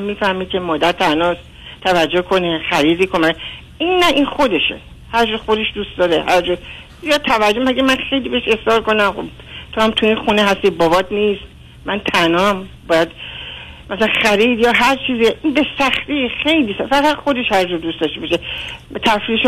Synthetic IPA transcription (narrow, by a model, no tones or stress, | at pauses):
mːiːfæhmiːd̪̚kʰʲe̞mɒːd̪æɾt̪ʰænɒːst̪ | t̪ʰævæd͡ʒːokʰo̞nexæɾiːd̪iːkʰomæe | inːæʔinxo̞d̪eʃḛ | hæɾd͡ʒɒːxo̞d̪e̞ʃd̪uːst̪d̪ɒːɾehæɾd͡ʒɔ | ijɒt̪ʰævæd͡ʒomæɡemænxe̞jlibeheʃesɒːɾko̞næmxo̰b | t̪ʰohæmt̪ʰuinxuneɦæst̪ibɒːbɒːt̪nist̪ | mænt̪ʰænɒːmbɒːjæd̪ | mæsælænxæɾiːd̪jɒːɦæɾt͡ʃʰiːziʔinbesæxt̪ixe̞jliːsæfæɣæt̪xo̞d̪e̞ʃhæɾd͡ʒɔːɾd̪ust̪ɒʃt̪ebɒʃet̪ʰæfɾiʃ